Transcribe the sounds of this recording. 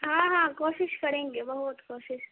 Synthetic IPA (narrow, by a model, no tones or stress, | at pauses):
ɦãːɦãːkoːʃɪʃkɐɾẽːŋɡebɐɦʊt̪koːʃɪʃ